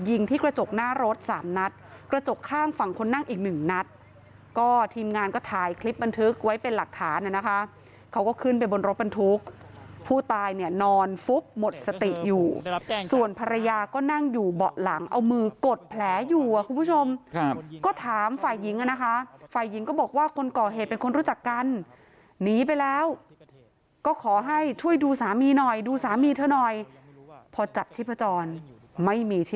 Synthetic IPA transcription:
ji˧ŋt̪ʰiː˥˩kɾa˧t͡ɕo˨˩k̚naː˥˩ɾo˦˥t̪̚saː˩˦mna˦˥t̪̚kɾa˧t͡ɕo˨˩kʰːaː˥˩ŋfa˨˩ŋkʰo˧nːa˥˩ŋʔiː˨˩k̚nɯ˨˩ŋna˦˥t̪̚ | kɔː˥˩t̪ʰiː˧mŋaː˧nkɔː˥˩t̪ʰaː˧jkʰli˦˥p̚ba˧nt̪ʰɯ˦˥k̚wa˦˥jpe˧nla˨˩k̚t̪ʰaː˩˦nʔa˨˩na˦˥kʰa˦˥ | kʰa˦˥wkɔː˥˩kʰɯ˥˩np̬a˧jbo˧nɾo˦˥t̪̚ba˧nt̪ʰu˦˥k̚ | pʰuː˥˩t̪aː˧jni˥˩ɐnɔː˧nfu˦˥p̚mo˨˩t̪̚sa˧t̪i˨˩ʔ̚juː˨˩su˨˩ənpʰa˧ɾa˧jaː˧kɔː˥˩na˥˩ŋjuː˨˩bɔ˨˩ʔla˩˦ŋʔa˧wmɯː˧ko˨˩t̪̚pʰlɛː˩˦juː˨˩ʔa˨˩kʰu˧npʰu˥˩t͡ɕʰo˧mkɔː˥˩t̪ʰaː˨˩˦mfaː˨˩jːi˨˩˦ŋʔa˧˨na˦˥kʰa˦˥faː˨˩jːi˩˦ŋkɔː˥˩bɔː˨˩k̚waː˥˩kʰo˧nkɔː˨˩ɦeː˨˩t̪̚pe˧nkʰo˧nɾuː˦˥t͡ɕa˨˩kːa˧nː | iː˨˦p̬a˧jlɛː˦˥w | kɔː˥˩kʰɔː˨˩˦ɦa˥˩jt͡ɕʰu˥˩əjduː˧saː˩˦miː˧nɔ˨˩jduː˧saː˨˩˦miː˧t̪ʰaː˥˩nɔ˨˩j | pʰɔ˧t͡ɕa˨˩p̚t͡ɕʰi˥˩pʰa˧˦t͡ɕɔː˧n | ma˥˩jmiː˧t͡ɕ̪ʰi˥˩

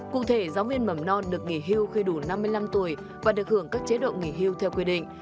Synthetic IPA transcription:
kṵ˧˨t̪ʰe˧˩zaː˨˦wvi˧ənmə˧˩mnɔ˧nɗɨ˨˩ək̚ŋi˧˩ɦi˧əwxi˧ɗu˧˩na˧mːɨ˧əjla˧mt̪u˧˩əj | vaː˨˩ɗɨ˨˩ək̚hɨ˧˩əŋkaː˦˥k̚t͡ɕe˨˦ɗo̰˧˨ŋi˧˩ɦi˧əwt̪ʰɛ˧wkwi˧ɗḭ̈˧˨ŋ̟

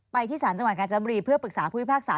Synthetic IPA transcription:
pa˧jt̪ʰiː˥˩saː˩˦nt͡ɕa˧ŋwt̪̚ka˧t͡ɕa˧˩˦bɔ˧ɾiː˧pʰɯ˥˩əpɯ˨˩k̚saː˩˦pʰuː˥˩wi˥˩paː˥˩k̚saː˩˦

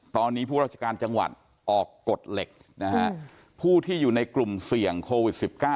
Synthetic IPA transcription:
t̪ɔː˧nːiː˦˥pʰuː˥˩ɾa˥˩a˧kaː˧nt͡ɕa˧ŋwa̰˨˩t̪̚ | ʔɔː˨˩kːo˨˩t̪̚le˨˩k̚ | na˦˥kʰa˦˥ | pʰuː˥˩t̪ʰiː˥˩juː˨˩na˧jklu˨˩msi˨˩əŋkʰoː˧wi˨˩t̪̚si˨˩p̚kaː˥˩

